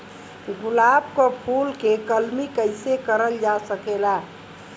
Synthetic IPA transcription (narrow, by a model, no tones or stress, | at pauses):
ɡʊlaːbkopʰulkekəlmikəɪsekəɾəld͡ʒasəkela